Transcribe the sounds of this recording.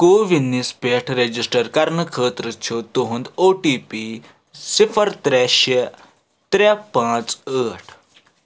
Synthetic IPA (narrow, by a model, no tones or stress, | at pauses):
koʋinːispeʈʰɾed͡ʑisʈəɾkaɾɳəkʰəːt̪ɾət͡ɕʰot̪oɦũnd̪oʈipi | sifʰəɾt̪ɾɛɕe | t̪ɾɛpãt͡səːʈʰ